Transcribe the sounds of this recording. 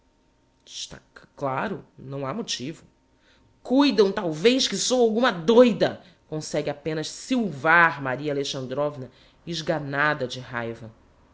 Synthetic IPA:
ʃt̪a̰klaɾʊnɐ̃w̃amot͡ʃivʊ | kujd̪ɐ̃w̃t̪awvejʃkɪsowawɡũmɐd̪ojd̪ɐ | kõsɛɡɪapẽnɐʃsiwvaɾmaɾiɐaleʃɐ̃nd̪ɾɔvnɐ | ɪʒɡanad̪ɐd͡ʒɪha̰jvɐ

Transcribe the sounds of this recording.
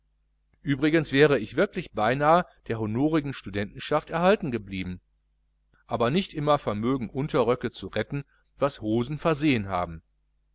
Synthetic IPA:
ʔyːbʁɪɡənsv̥ɛːʁəɪçv̥ɪɐklɪçb̥aɪnaːəd̥eːɐhonoːʁɪɡŋ̩ʃtudɛntn̩ʃaftɛɐhaltn̩ɡəbliːbm̩ | ʔaːbɐnɪçtʔɪmɐfɛɐmøːɡŋ̩ʔʊntɐʁœkət͡suʁɛtn̩ | vashoːzn̩fɛɐzeːənɦa̰ːbm̩

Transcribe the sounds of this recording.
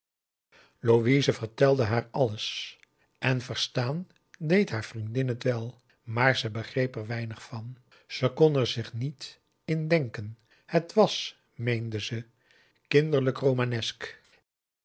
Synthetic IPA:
loʋizəvəɹtɛlˠdəɦaːɹɑləs | ʔɛnvəɹstaːn | dejtɦaːɹvrindɪnɦətʋɛlˠ | maːɹzəbəχrejpɛɹʋɛjnəχfɑn | z̥əkɔnɛɹzɪχnit | ɪndɛŋkən | hətʋɑs | mejndəzə | kɪndəɹləkrowmaːnɛsk

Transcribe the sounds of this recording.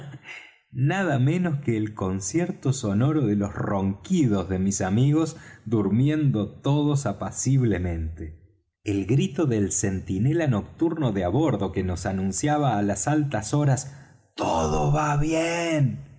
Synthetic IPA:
nað̞amẽ̞no̞skeːlko̞nsjeɾt̪oso̞no̞ɾoðelo̞sroŋkiðo̞zðemisamiɣo̞zd̪uɾmjend̪ot̪oðosapasiβlemẽ̞nt̪e | elɣɾit̪o̞ðelsent̪inelano̞k̚t̪uɾnoðeaβo̞ɾðo̞keno̞sanũnsjaβaːlasalt̪asoɾas | t̪oðoβaβjen

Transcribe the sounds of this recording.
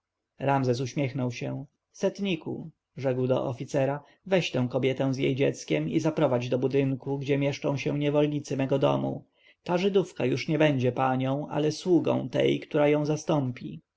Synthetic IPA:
ɾamzɛs̬uɕmʲjɛxnɔwɕɛ̃ | sɛt̪ɲikṵ | ʐɛɡwd̪ɔ̰ʔɔfʲit̪sɛɾa | vɛɕt̪ɛ̃w̃kɔbʲjɛt̪ɛ̃w̃zʲjḛjd͡ʑɛt̪skʲɛmizapɾɔvad͡ʑd̪ɔbud̪ɘŋkuɡd͡ʑɛmʲjɛʂt͡ʂɔ̃w̃ɕɛ̃ɲɛvɔlɲit̪sɘmɛɡɔd̪ɔ̰mṵ | t̪aʐɘd̪ufkajuʂɲɛbɛɲd͡ʑɛpaɲɔ̃w̃ʔa̰lɛswuɡɔ̰̃w̃t̪ɛ̰jkt̪uɾajɔ̃w̃zast̪ɔmpʲḭ

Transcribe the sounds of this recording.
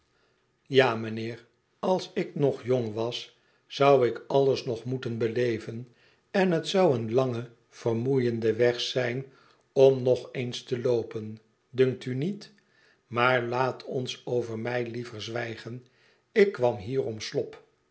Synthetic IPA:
jaːmənɪːr | ɑlˠsɪknɔχjoŋʋɑs | sʌwɪkɑlˠəsnɔχmutənbəlejvən | ɛnɦətsʌwənlɑŋə | v̥ərmujəndəʋɛχsɛjn | ɔmnɔχejnstəlowpən | dʏŋk̚tynit | maːɹlaːtʰɔnsowvəɹmɛjlivəɹzʋɛjχən | ɪkːʋɑmɦiːrɔmslɔp

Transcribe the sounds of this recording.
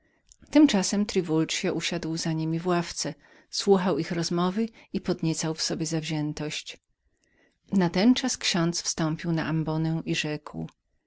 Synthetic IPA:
t̪ɘmt͡ʂasɛmt̪ɾɘvult͡ʂjaʔuɕad̪wzaɲimʲivwaft̪sɛ | swuxawixɾɔzmɔvɘipɔd̪ɲɛt̪sawfsɔbʲjɛzavʑɛnt̪ɔɕt͡ɕ | nat̪ɛnt͡ʂaskɕɔ̃nt̪sfst̪ɔmpʲiwna̰ʔambɔnɛʔiʐɛkw

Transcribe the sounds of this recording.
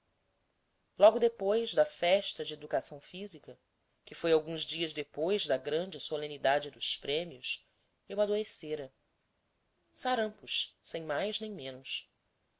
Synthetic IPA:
lɔɡʊd̪epojzd̪ɐfɛʃt̪ɐd͡ʒɪed̪ukasɐ̃w̃fizikɐ | kɪfojawɡũzd͡ʒiɐzd̪epojzd̪ɐɡɾɐ̃nd͡ʒɪsolẽnid̪ad͡ʒɪd̪ʊspɾẽmiʊs | ewad̪oɾeseɾɐ | saɾɐ̃mpʊʃsẽj̃majznẽj̃mẽnʊs

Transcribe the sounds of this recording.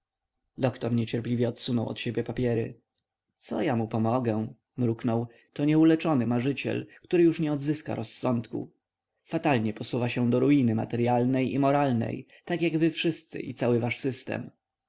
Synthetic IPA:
d̪ɔkt̪ɔɾɲɛt͡ɕɛɾplʲivʲjɛɔt̪sunɔwɔ̰t̪ɕebʲjɛpapʲjɛɾɘ̰ | t̪sɔjamupɔmɔɡɛ | mɾuknɔw | t̪ɔɲɛulɛt͡ʂɔnɘmaʐɘt͡ɕɛ̰lkt̪uɾɘjuʂɲɛɔd̪zɘska̰ɾɔsːɔnt̪kṵ | fat̪alɲɛpɔsuvaɕɛ̃d̪ɔɾuinɘma̰t̪ɛɾjalnɛjḭmɔɾalnɛ̰j | t̪akʲjaɡvɘfʂɘst̪sɘ̰ʔḭt̪sawɘvaʂsɘst̪ɛ̰m

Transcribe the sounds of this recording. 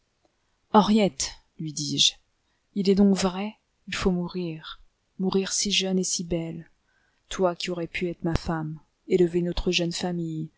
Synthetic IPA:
ɑʁjɛt̪ | lɥid̪iʒ | ilɛd̪ɔ̃kvʁɛ | ilfomuʁiʁ | muʁiʁsiʒœnesibɛl | t̪wakʲiɔʁɛpyɛt̪χmafam | eləvenɔt̪χəʒœnfamij

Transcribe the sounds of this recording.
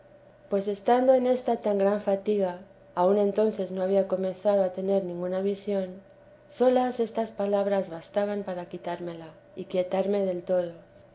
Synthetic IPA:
pwe̞se̞st̪and̪o̞e̞ne̞st̪at̪aŋɡɾaɱfat̪iɣaː | unẽ̞nt̪o̞nθe̞zno̞aβiako̞mẽ̞nθaðoat̪e̞ne̞ɾnĩŋɡunaβ̞isjo̞n | so̞lase̞st̪aspalaβ̞ɾazβast̪aβampaɾakit̪aɾme̞la | ikje̞t̪aɾme̞ðe̞lt̪o̞ð̞o̞

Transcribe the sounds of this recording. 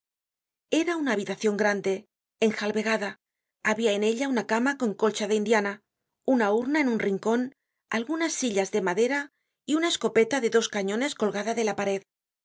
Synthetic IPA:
e̞ɾaunaːβ̞it̪aθjo̞ŋɡɾand̪e̞ː | ŋxalβe̞ɣaða | aβiae̞ne̞ʎaunakamako̞ŋko̞lt͡ʃaðeind̪jana | unauɾnae̞nunriŋko̞n | alɣunasːiʎazðe̞maðe̞ɾa | iunae̞sko̞pe̞t̪aðe̞ðo̞skaɲõ̞ne̞sko̞lɣaðaðe̞lapaɾe̞ð

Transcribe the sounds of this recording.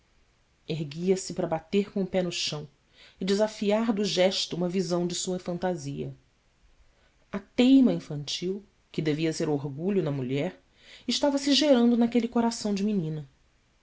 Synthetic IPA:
eɦɡiɐsɪpɾɐbat̪eɾkõpɛnʊʃɐ̃w̃ | ɪd͡ʒɪzafiaɾd̪ʊʒɛʃt̪ʊũmɐvizɐ̃w̃d͡ʒɪsuɐfɐ̃nt̪aziɐ | ɐt̪ejmɐĩfɐ̃nt͡ʃiw | kɪd̪eviɐseɾoɾɡuʎʊnɐmuʎɛɾ | ɪʃt̪avɐsɪʒeɾɐ̃nd̪ʊnakelɪkoɾasɐ̃w̃d͡ʒɪminĩnɐ

